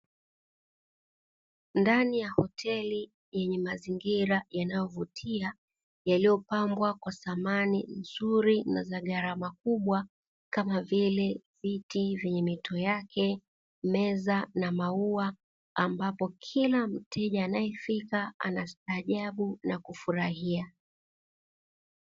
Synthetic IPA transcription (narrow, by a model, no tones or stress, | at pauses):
ndanijahɔtʰɛli | jɛɲɛmaziŋɡiɾajanajɔvutʰia | jalijɔpambwakwasamanin̩zuɾinazaɠaɾamakuɓwa | kamavilɛvitivɛɲɛmitʰɔjakʰɛ | mɛzanamauaː | mbapɔkʰilam̩tʰɛʄaːnajɛfikaa̰nastaːʄaɓunakufuɾahia